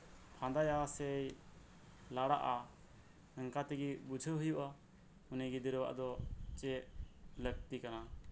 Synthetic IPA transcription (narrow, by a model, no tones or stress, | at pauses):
pʰãnd̪ajasɛj | laɽa̰ʔa | əŋkat̪iɡibud͡ʒʱəɦujuʔa | uniɡid̪iɾəwa̰ʔd̪ɔt͡ʃɛʔlək̚t̪ikana